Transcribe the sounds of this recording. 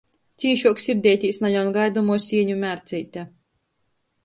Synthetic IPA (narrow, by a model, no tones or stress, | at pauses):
t̪sʲiɛʃuɔksʲiɾd̪ʲɛjt̪ʲiːsnaʎʲawnɡajd̪umuɔsʲiɛɲumʲæɾt̪sʲɛjt̪ʲa